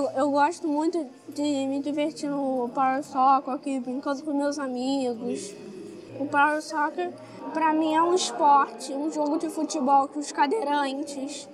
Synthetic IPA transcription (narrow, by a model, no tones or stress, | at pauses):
ewewɡɔʃt̪ʊmũj̃t̪ʊ | d͡ʒɪmɪd͡ʒiveɾt͡ʃinʊpawsɔkakibɾĩŋkɐ̃d̪ʊpʊ̃mewzamiɡʊs | ʊpawsɔkeɾ | pɾɐmĩɛũɪspɔɾt͡ʃɪũʒoɡʊd͡ʒɪfut͡ʃɪbɔwkʊskad̪eɾɐ̃nt͡ʃɪs